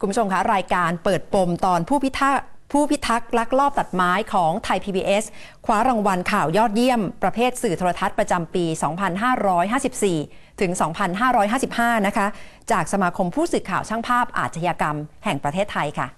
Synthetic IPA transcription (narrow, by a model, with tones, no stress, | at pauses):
kʰu˧mbu˦˥t͡ɕʰo˧mkʰa˦˥ɾaː˧jkaː˧npɤː˨˩t̪̚po˧mt̪ɔː˧npʰuː˥˩˦pʰuː˥˩pʰi˦˥t̪ʰːa˦˥k̚la˦˥k̚ɾɔː˥˩p̚t̪a˨˩t̪̚maː˦˥jkʰɔː˩˦ŋt̪ʰa˧jpʰiː˧biː˧ʔe˦˥s | kʰwaː˦˥ɾa˧ŋwa˧nkʰaː˨˩wjɔː˥˩t̪̚ji˥˩əmpɾa˧pʰeː˥˩t̪̚sɯː˨˩t̪ʰoː˧ɾa˧t̪ʰa˦˥t̪̚pɾa˧t͡ɕa˧mpiː˧sɔː˩˦ŋpʰa˧nɦaː˥˩ɾɔː˦˥jɦaː˥˩si˨˩p̚siː˨˩t̪ʰɯ˩˦ŋsɔː˩˦ŋpʰa˧nɦaː˥˩ɾɔː˦˥jɦaː˥˩si˨˩p̚haː˥˩na˦˥kʰa˦˥ | t͡ɕaː˨˩k̚sa˧maː˧kʰo˧mpʰuː˥˩sɯː˨˩kʰaː˨˩wt͡ɕʰaː˥˩ŋpʰaː˥˩p̚ʔa̰ː˨˩t̪̚t͡ɕʰa˧jaː˧ka˧mhɛ˨˩ŋpɾa˧t̪ʰeː˥˩t̪ʰːa˧jkʰa̰˥˩